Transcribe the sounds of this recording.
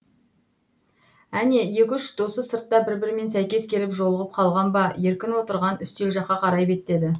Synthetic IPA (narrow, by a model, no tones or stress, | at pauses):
æne̞je̞kʲʏʃt̪ʰosəsəɾt̪ːɑbɪɾbɪɾme̞nsæjkʲe̞skʲʰe̞lɪpʒo̞lˠəʁəp̚qʰɑlˠʁɑnbɑje̞ɾkʲɪnwo̞t̪əɾʁɑnʏst̪e̞lʒɑqːɑqʰɑɾɑjbe̞t̪ːe̞d̪ɪ